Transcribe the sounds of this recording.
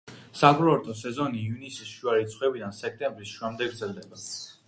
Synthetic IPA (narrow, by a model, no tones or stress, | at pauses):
saɡɾɔɔɾt̪ʼɔsɛzɔnivnisisʃuaɾit̪sʰχwɛbid̪ansɛk̚ʰt̪ʼɛmbɾisʃamd̪ɛɡɾd̪zɛld̪ɛba